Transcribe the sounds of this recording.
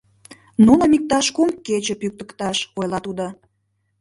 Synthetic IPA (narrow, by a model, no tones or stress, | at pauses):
nunəmik̚t̪ɑʃkomkːet͡ɕə̆pyk̚t̪əkt̪ɑʃojlɑt̪ud̪o